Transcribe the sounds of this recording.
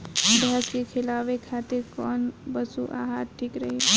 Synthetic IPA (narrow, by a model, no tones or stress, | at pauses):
bjaskekʰelaʋekʰat̪ɪɾkɔːnbəsuʔa̰ːɦat̪̚ʈʰikɾəɦi